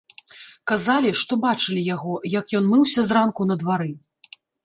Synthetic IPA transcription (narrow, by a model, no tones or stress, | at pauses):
kazalʲiʂt̪ɔbat͡ʂɨlʲijaɣɔjɐkjɔnmɨwsʲɐzrankunɐd̪vaɾɨ